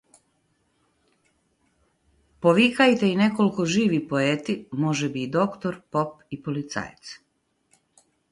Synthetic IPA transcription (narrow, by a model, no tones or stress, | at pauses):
poʋikajt̪eine̞koliko̞ʒiːʋipoeːt̪imo̞ʒebid̪o̞kt̪oɾpo̞p | ipolit̪sa̰jt̪s